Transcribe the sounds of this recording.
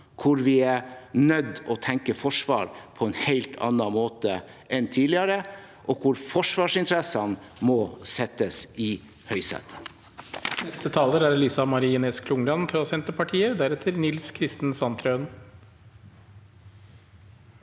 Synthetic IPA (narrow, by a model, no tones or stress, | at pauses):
kʰʊɾʋɪænœd̪ːɔt̪ʰɛŋkəfɔʂʋɑ̰ːɾpʰɔɛɪnhæɪlt̪ʰɑ̰nːɑmoːt̪ə | ʔɛnt̪ʰiːlɪɑɾə | ʔɔkʰʊɾfɔʂʋɑːʂɪnt̪ʰɾɛsɑn | mɔsɛt̪ːəsɪ | hœʏsɛ̰t̪ | nɛst̪ət̪ʰɑːləɾæɾlɪsɑmɑɾiːɛnɛskʰlʊŋlɑnt̪ʰɾɑsɛnt̪əpʰɑʈʰiːəd̪æɾɛt̪ʰəɾnɪlskʰɾɪst̪n̩sɑnt̪ʰɾœʉn